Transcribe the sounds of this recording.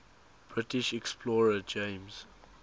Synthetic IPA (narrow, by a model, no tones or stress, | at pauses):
b̥ɹɪtiʃɛkspʰlɔːɹəd͡ʒẽɪmz̥